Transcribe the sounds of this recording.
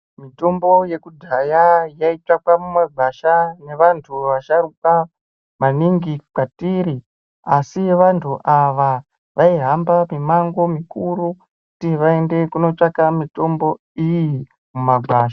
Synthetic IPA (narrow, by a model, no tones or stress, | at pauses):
mito̞mbo̞je̞kudʱajajait͡ʂakamumaɡʱaʃane̞ʋantʰuʋaʃaɾuka | maniŋɡikatiɾi | asiʋantʰuʔaʋa | ʋaiɦambamimaŋɡo̞mikuɾu | kutiʋaende̞kuno̞t͡ʂakamito̞mbo̞ | iji | mumaɡʱwaːʃa